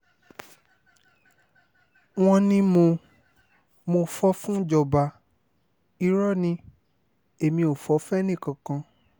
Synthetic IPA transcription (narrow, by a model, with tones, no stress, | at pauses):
w̃ɔ̃˧nĩ˧mo˧ | mo˧fɔ˦fũ˦d͡ʒɔ˧˨ba˧ | i˧˦ɾɔ˦˨nĩ˧ | e˨mĩ˧o˨fɔ˨˦fɛ˦nĩ˦˨kã˨˧˨kã˧